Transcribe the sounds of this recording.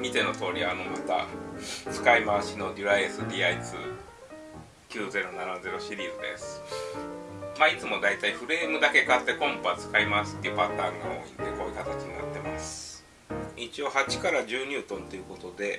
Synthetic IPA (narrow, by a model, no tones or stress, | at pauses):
mʲit̪e̞not̪o̞ːɾʲiano̞mat̪a̰t͡sɨ̥kaimaɕino̞d̪ʲiɾaiesɨd̪ʲiːait͡sɨ̰ | kʲɨːze̞ɾo̞nanaze̞ɾo̞ɕiɾʲiːzɨd̪e̞̰sɨ̥ | maːit͡sɨmo̞d̪ait̪aiɸɯ̟ɾe̞ːmɯ̟d̪ake̞kat̪ːe̞kõ̞mpoat͡sɨ̥kaimasɨ̥t̪ːeiɯ̟pat̪aːŋɡao̞̰ːḭ̃nd̪e̞ko̞ːjiɯ̟kat̪at͡ɕiɲ̟ina̰t̪ːe̞masɨ̥ | it͡ɕio̞hat͡ɕi̥kaɾaʑɨːɲ̟ʲɨːt̪õ̞nt̪o̞jɯ̟ko̞t̪o̞d̪e̞